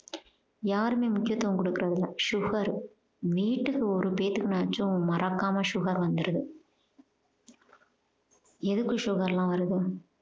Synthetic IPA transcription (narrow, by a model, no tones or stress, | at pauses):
jaːɾɯmeːmʊkːɪjɐt̪ːɐʋɐŋkɔɽɯkːɯɾɐðɪlːɐʂʊɣɐɾ | ʋiːʈːɯkːɯɔɾɯpeːt̪ːɯkːɯnaːt͡ʃːũmɐɾɐkːaːmɐʂʊɣɐɾʋɐnd̪ɯɾɐðɯ | ɛðɯkːɯʂʊɣɐɾɛlãːʋɐɾɐðɯ